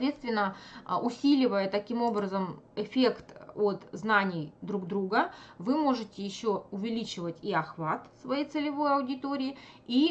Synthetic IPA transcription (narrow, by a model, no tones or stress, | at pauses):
vʲe̞t̪st̪vʲɪnːəʊsʲilʲɪvəjət̪ɐkʲimo̞bɾəzəmɪfʲe̞kt̪ot̪znanʲɪjd̪ɾuɡd̪ɾuɡəvɨmo̞ʐɨtʲɪjɪɕːoʊvʲɪlʲit͡ɕɪvətʲiɐxvat̪svɐjejt̪sɨlʲɪvo̞jɐʊdʲɪt̪oɾʲɪːi